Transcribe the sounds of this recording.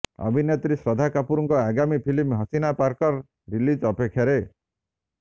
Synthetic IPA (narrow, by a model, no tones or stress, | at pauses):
ɔ̰bʱinjet̪ɾisɾɔd̪ʱakapuɾɔŋkɔaɡamipʰilimɦɔsinapaɾkɔɾ | ɾilid͡ʒɔpekʰːjaɾe